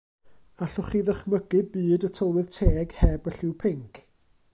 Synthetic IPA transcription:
aɬʊχiːðəχməɡɨbɨːdətʰəlˠwɪðtʰeːɡ̥hɛbəɬɪwpʰɪŋkʰ

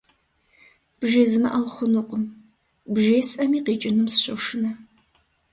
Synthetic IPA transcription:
b̥ʒeːzɨmɐ̰ʔawχʷʊnɨqʷʊm | bʒeːsʔɐmiːqiːt͡ʃʼɪnɨmsɕʼɐʂɨnɐ

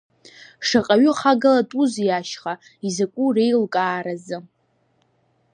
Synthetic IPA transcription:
ʂaqʼaɥʊχaɡalatʼuzjaʃχa | izakʷʼure̞jlkʼaːɾazɨ

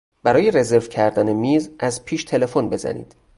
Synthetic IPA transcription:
b̥æɾɒːjeɾe̞ze̞ɾvcʰæɾd̪æne̞miːzʔæzpʰiːʃt̪ʰe̞le̞fonbe̞zæ̰nḭːd̪̥

